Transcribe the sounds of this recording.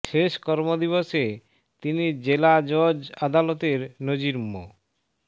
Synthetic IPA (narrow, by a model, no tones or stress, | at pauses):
ʃeʃkɔɾmod̪iβoʃe | t̪inid͡ʑelad͡ʑod͡ʑad̪alot̪eɾnod͡ʑiɾmo